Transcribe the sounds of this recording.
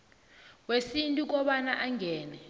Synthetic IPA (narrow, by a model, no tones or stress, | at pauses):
wesintʼuk̬ɔɓanaʔaŋɛːnɛ